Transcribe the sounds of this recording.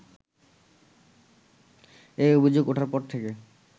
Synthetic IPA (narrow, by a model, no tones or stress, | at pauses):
ejobʱid͡ʑoɡoʈʰaɾpɔɾt̪ʰeke